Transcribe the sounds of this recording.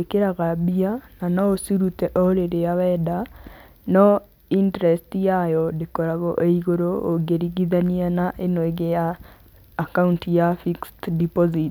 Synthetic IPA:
ekeɾaɣabiananɔosiɾutɛʔɔɾeɾeaβɛda | nɔ | intɛɾɛstijajɔdekɔɾaɣɔʔeiɣoɾooɡeɾiɣiðanianaʔenweɣejaː | kauntijafikstdipɔzit

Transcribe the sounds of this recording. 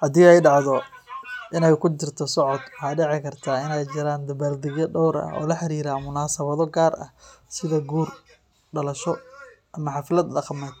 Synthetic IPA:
ħɑd̪ijɛjɖɑʕðɔ | ʔɪnɛjkʰʊt͡ʃɪrt̪ʰɔsɔʕɔd̪wɑħɑːɖɛʕɪkʰɐrt̪ʰaːɪnɛjt͡ʃɪɾaːnd̪ɐβaːld̪ɪɣɐɖɔwɾɐ̰ɔ̰ːlɐħɑɾiːɾaːmʊnaːsɐβɐðɔɡaːrɐ̰hsɪðɐɡuːr | ɖɐlɐʃɔ | ʔɐmɐħɑfɪlɐd̪lɐqɑmɛːd̪

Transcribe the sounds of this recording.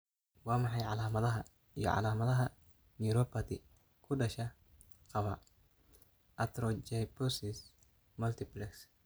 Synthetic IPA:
wɑːmɑħɑjʕɑlaːmɐðɐɦɐ | ijɔ̰ʕɑ̰laːmɐðɐɦɐ | niɾɔpʰɐt̪ɪ | kʰʊɖɐʃɐ | qɑβɐ | ʔɐt̪ɾɔt͡ʃɐjpɔsɪs | mɐlt̪ʰɪplɛks

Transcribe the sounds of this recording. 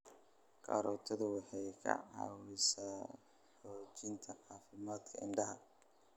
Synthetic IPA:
kʰɐ̰ɾɔːt̪ʰɔðʊwɑħɑjkʰɐ̰ʕɑ̰ːwɪsɐ | ħɔːt͡ʃɪnt̪ʰɐʕɑːfɪmaːd̪kʰɐɪ̰nɖɐɦɐ

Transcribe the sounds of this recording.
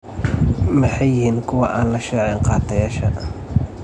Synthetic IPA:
mɐħɑjːɪhiːnkʰʊwɑʔaːnlɐʃɛːʕɛŋqɑːt̪ʰɐjaːʃɐ

